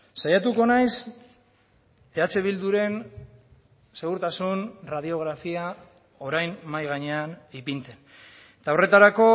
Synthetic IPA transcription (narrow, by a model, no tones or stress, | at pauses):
sajat̪uko̞najs | e̞at͡se̞βild̪uɾe̞n | se̞ɣuɾt̪asunrað̞io̞ɣ̞ɾafia | o̞ɾajnmajɣaɲe̞anipint͡s̪e̞n | t̪ao̞re̞t̪aɾako̞